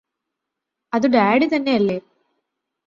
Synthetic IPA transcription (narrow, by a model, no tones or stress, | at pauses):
ɐðuɖaːɖit̪ɐnːe̞ɐlːeː